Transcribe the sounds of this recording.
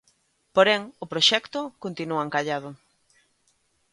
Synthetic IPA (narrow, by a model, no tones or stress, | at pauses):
poɾɛŋʊpɾoʃɛkt̪ʊkont̪inuaeŋkaʎað̞ʊ